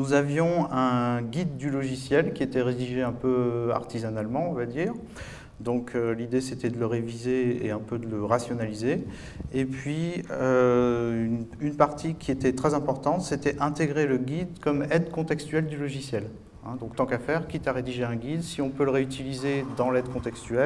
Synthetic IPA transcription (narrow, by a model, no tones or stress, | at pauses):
nuzavjɔ̃ɛ̃ɡʲid̪ːylɔʒisjɛlkʲiet̪ɛʁed̪iʒeɛ̃pøa̰ʁt̪izanalmɑ̃ɔ̃vad̪iːʁ | d̪ɔ̃kʰølid̪eset̪ɛd̪ələʁevizeḛɛ̃pød̪ələʁasjɔnalize | epɥiø | nynpaʁt̪ʰikʲiet̪ɛt̪χɛzɛ̃pɔʁt̪ɑ̃t̪set̪ɛʔɛ̃t̪eɡʁeləɡʲid̪kɔmɛd̪kɔ̃t̪ɛkst̪yɛld̪ylɔʒisjɛl | ɛ̰̃d̪ɔ̃kt̪ɑ̃kafɛʁkʲit̪aʁed̪iʒeɛ̃ɡʲid̪siɔ̃pøləʁeyt̪ilized̪ɑ̃lɛd̪kɔ̃t̪ɛkst̪yɛl